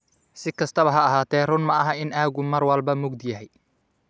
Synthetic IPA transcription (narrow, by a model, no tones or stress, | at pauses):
sɪkʰɐst̪ʰɐβɐɦɐːɦaːt̪ʰɛːrʊnmɐɐɦɐɪnaːɣʊmɐrwɐlbɐmʊɡd̪jɐɦɛj